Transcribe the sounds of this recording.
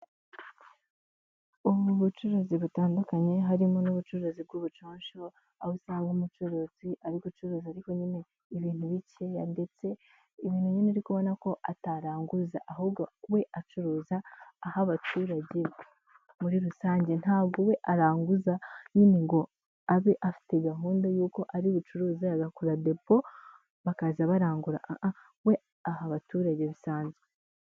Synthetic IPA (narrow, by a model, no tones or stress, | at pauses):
uβuβut͡ʃuɾuziβutaːndukaɲe̞ɦaɾimonuβut͡ʃuɾuzib̚ɡuːβut͡ʃoːɲʃo̞ | ausaːŋɡumut͡ʃuɾuz̥iʔaɾiɡut͡ʃuɾuːziaɾiko̞ɲine̞ | iβiːn̥huβicejande̞t͡se̞ | iβiːnhuɲineɾikuβo̞nako̞ʔataɾaːŋɡuzaʔaɦubɡauwe̞ʔat͡ʃuɾuːzaːhaβatʰuːɾaɟe̞ | muɾiɾusaːɲɟe̞n̥haːbɡowe̞ʔaɾaːŋɡuzaɲine̞ŋɡo̞ | aβeʔafi̥te̞ɡaɦuːndaojuːko̞ʔaɾiβut͡ʃuɾuːzajaɡakuɾade̞po̞ | βakazaβaɾaːŋɡuɾa̰ʔaʔa | we̞ | ahaβatuːɾaɟe̞βisaːɲze